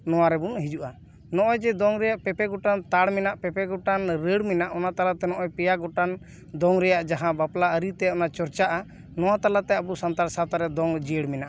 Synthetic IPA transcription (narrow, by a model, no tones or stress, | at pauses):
nɔwaɾɛbunɦid͡ʒuʔa | nɔʔɔjd͡ʒɛd̪ɔŋɾɛjaʔpɛpɛɡɔʈant̪aɽmɛnaʔpɛpɛɡɔʈanɾəɽmɛnaʔɔnat̪alat̪ɛnɔʔɔjpɛjaɡɔʈan | d̪ɔŋɾɛjaʔd͡ʒaɦãbaplaəɾit̪ɛɔnat͡ʃɔɾt͡ʃaʔa | nɔwat̪alat̪ɛabusant̪aɾsat̪aɾɛd̪ɔŋd͡ʒəɽmɛnaʔa